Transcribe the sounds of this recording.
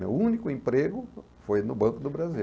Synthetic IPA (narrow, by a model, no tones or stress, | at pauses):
ḛũnikʊẽpɾeɡʊ | fojnʊbɐ̃kʊd̪ʊbɾazi